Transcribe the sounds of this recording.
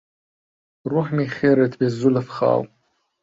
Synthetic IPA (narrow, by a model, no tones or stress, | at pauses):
ruħmiχʲeɾatʰbazːulafχa̰ːw